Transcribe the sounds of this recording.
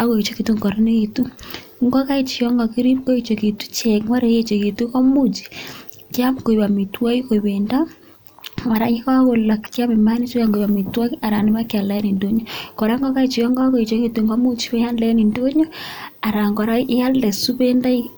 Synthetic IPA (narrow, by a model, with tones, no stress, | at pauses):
a˨ɣo˨i˨t͡ʃo˦ke˨tu˦ŋɡɔ˨ɾe˦ne˦e˨tu˦ŋɡɔ˦ka˦i˦t͡ʃi˨ɔ˦ŋɡɔ˨ki˦ɾi˦ko˦i˨t͡ʃo˨ke˨tu̥˦t͡ʃɛ˨ŋwa˦ɾe˨je˦t͡ʃo˨ke˨tu˦kɔ˦mu˦t͡ʃi̥˨ | kja˦mko˨i˨βa˨mi˨twa˦i˦ko˨i˨βe˨nda˦ | ma˨ɾa˨i˦ka˦ɣo˨la˨kkja˦me˨ma˦ni˦t͡ʃo˦ja˨ŋɡo˨i˨βa˨mi˨twa˦ki˦a˨ɾa˨ni˦ma˦kja˨lɛ˦ni˨ndo˦ɲɔ˦ko˨ɾa˦ŋɡɔ˦ka˦i˦t͡ʃi˨jɔ˦ŋɡɔ˦ko˨i˨t͡ʃo˦ke˨tu˨ŋɡɔ˦mu˦t͡ʃi˦wɛ˦ja˦nlɛ˦ni˨ndo˦ɲo˦a˨ɾa˨ŋɡɔ˨ɾa˦ʔja˦lɛ˨su˦βe˦nda˦i˦